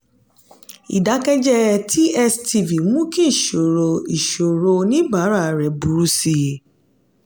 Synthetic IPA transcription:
ḭ˨da˨˦kɛ˦d͡ʒɛ˦ti˦ɛ˦sti˧vi˨mũ˦kĩ˦i˨ʃo˨ɾo˧i˨ʃo˨ɾo˧nĩ˦ba˨˦ɾa˦˨ɾɛ˨bu˨˦ɾu˧si˧˨

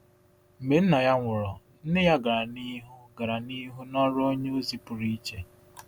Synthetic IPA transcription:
m̩˨me˨n̩˦na˨ja˦ŋʷʊ˨ɾɔ˨ | n̩˦ne˦ja˦ɡa˨ɾa˨ni˦ɦʊ˦ɡa˨ɾa˨ni˦ɦu˦nɔ˦ɾo˦ɲe˦o˦zi˦pʊ˨ɾi˦t͡ʃe˨

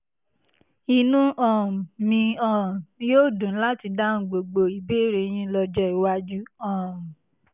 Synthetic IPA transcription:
i˧nũ˦ʔɔ̃˨mĩ˧ɔ̃˦˨˦joː˦˨dũ˨n̩˦la˦ti˧da˦n̩˨ɡ͡bo˨ɡ͡bo˧i˨be˦˨ɾe˧j̃ĩ˦lɔ˧d͡ʒɛ˦i˨wa˦d͡ʒu˦ɔ̃˨m˨

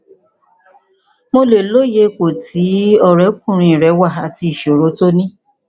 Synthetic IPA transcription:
mo˧le˨lo˦je˧ko˨ti˨˦ɔ˦˨ɾɛ˨˦k̚ũ˦˨ɾ̃ĩ˧i˨ɾɛ˨˦wa˦˨a˨ti˧i˨ʃo˨ɾo˨˦to˦nĩ˦

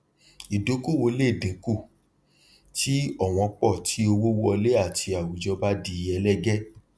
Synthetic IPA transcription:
i˨do˨˦ko˦˨wo˧le˦˨dĩ˨˦ku˦˨ | ti˦ɔ˦˨w̃ɔ̃˧k͡pɔ˦˨tʰi˦o˧wo˦wɔ˧le˦a˦˨tʰi˧a˨wu˨d͡ʒɔ˦ba˦di˧˦˧ɛ˧lɛ˦ɡɛ˦

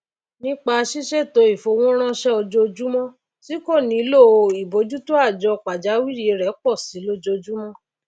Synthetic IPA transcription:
nĩ˦k͡pa˧ʃi˦ʃe˦˨to˧˦i˨fo˨˧w̃ɔ̃˦ɾ̃ã˦ʃɛ˦ɔ˧d͡ʒo˦˧d͡ʒu˦mɔ̃˦ | si˦ko˦˨nĩ˨˦lo˦˨o˧i˨bo˨˦d͡ʒu˦to˦a˦˨d͡ʒɔ˧˨k͡pa˨d͡ʒa˨˦wi˦ɾi˦e˧ɾɛ˨˦k͡pɔ˦˨si˨˦lo˦d͡ʒo˧d͡ʒu˦mɔ̃˦

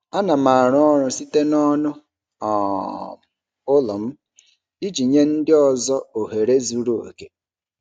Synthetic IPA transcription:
a˦na˨ma˨ɾʊ˦ɔ˦ɾʊ˨si˦te˦nɔ˦nʊ˦ | ɔ˨ | ʊ˦lɔ˨m̩˦ | i˦d͡ʒi˨ɲe˦n̩˦dɪ˦ɔ˨zɔ˦o˨ɦe˨ɾe˦zu˨ɾo˦o̰˨ke˦

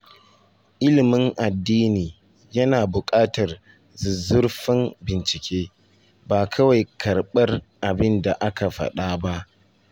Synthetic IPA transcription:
ʔɪ˦lɪ˨mɪ˦ŋʔa˨dːiː˦niː˨ | jɐ˦naː˨bʊ˨kʼaː˦tɐ˨r | zɪ˨zʊ˦rɸɪ˦nbɪ˨nt͡ʃɪ˨kʲʰeː˦ | baː˨kʰɐ˦wa˨jkʰɐ˨rɓɐ˦rʔa˨bɪ˦nda˨ʔa˦ka˨ɸɐ̰˨ɗaː˦ba˦ʔ

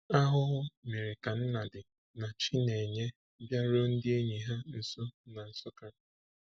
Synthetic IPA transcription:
a˦ɦʊ˦ɦʊ˦me˨ɾɪ˨ka˨n̩˦na˨dɪ˨ | na˨t͡ʃi˦ne˨ɲe˦ | bja˦ɾo˦n̩˦dɪ˦e˦ɲi˨ɦa˦n̩˨so˦na˨n̩˨sʊ˦ka˨n̩˨˦

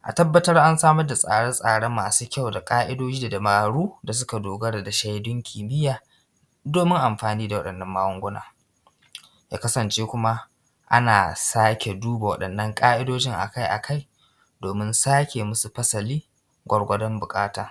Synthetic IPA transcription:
ʔa̰˨tɐ˦bːɐ˦tɐ˦rʔa˦nsaː˦mɐ˦rda˨sʼa̰ː˨ɽɐ˦nsʼaː˨ɽe˦mːaː˨suː˦kʲa˦˨wda˨kʼaː˦ʔɪ˦doː˦d͡ʒiː˦da˨dɐ˨maː˨ɽuː˦da˨s̬ʊ˦ka˨doː˨ɡɐ˦ɽa˨da˨ʃa˦jdʊ˦ŋkʲʰiː˨bɪ˦jaː˨ | doː˨mɪ˦ŋʔa˨mɸaː˨niː˦da˨wɐ˦ɗɐ˨nːɐ˦mːaː˦wɐ˦ŋɡʷʊ˦na̰ː˨ | jaː˦kɐ˦sɐ˨nt͡ʃeː˦kʷʊ˦ma˦ | ʔa̰˦naː˨saː˦kʲe˨duː˦ba˨wɐ̰˦ɗɐ˨nːɐ˦ŋkʼaː˦ʔɪ˦doː˦d͡ʒɪ˦ŋʔa̰˨ka˦jʔa̰˨ka˦˨j | doː˨mɪ˦nsaː˦kʲe˨mʊ˦su˨ɸɐ˦sɐ˨liː˦ | ɡʷɐ˦rɡʷɐ˦dɔ˦mbʊ˨kʼaː˦taː˨

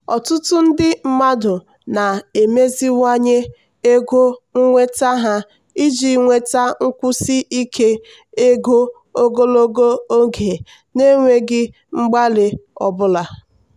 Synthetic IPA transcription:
ɔ˨tʊ˦tʊ˦n̩˦dɪ˦m̩˦ma˦dʊ˨ | na˨e˨me˦zi˦ŋʷa˦ɲe˦ | e˦ɡo˦ŋ̩˦ŋʷe˦ta˦ɦa˦ | i˦d͡ʒi˨ŋʷe˦ta˦ŋ̩˦kʷʊ˦si˦ʔi˦kʰe˦ | e˦ɡo˦ | o˦ɡo˦lo˦ɡo˦o˦ɡe˨ | ne˦ŋʷe˦ɡɪ˦ | ŋ͡m̩˦ɡ͡ba˦lɪ˦ɔ̰˨bʊ˦la˨

